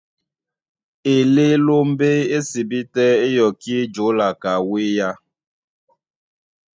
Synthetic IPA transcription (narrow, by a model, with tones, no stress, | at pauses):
e˨le˦lo˦m̩˦be˦e˦si˨bi˦tɛ˦e˦jɔ˨ki˦e˦d͡ʒo˨˦la˨ka˨we˦ja˦